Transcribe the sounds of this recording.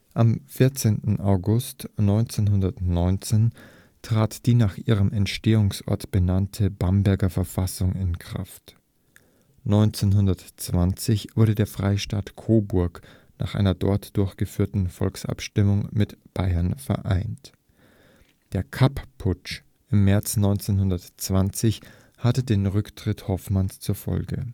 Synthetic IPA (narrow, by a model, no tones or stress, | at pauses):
ʔamfɪɐt͡seːntn̩ʔaʊɡʊstnɔʏnt͡seːnɦʊndɐtnɔʏnt͡seːn | tʁ̥aːtd̥iːnaːχʔiːʁ̞əmʔɛntʃteːʊŋsʔɔ̰ɐtb̥ənantʰəbambɛɐɡɐfɛɐfasʊŋɪnkʁ̥a̰ft | nɔʏnt͡senɦʊndɐtt͡sv̥ant͡sɪçv̥ʊɐɾədeːɐfʁ̥aɪʃtaːtkʰoːbʊɐk | naːχʔa̰ɪnɐdɔ̰ɐtd̥ʊɐçɡ̥əfyːɐtn̩fɔ̰lksʔa̰pʃtɪmʊŋmɪtb̥aɪɐnfɛ̰ɐʔa̰ɪnt | d̥eːɐkʰappʰʊt͡ʃ | ʔɪmːɛɐt͡snɔʏnt͡senhʊndɐtt͡sv̥ant͡sɪç | hatədeːnʁʏktʁ̥ɪthɔfmanst͡suːɐfɔ̰lɡə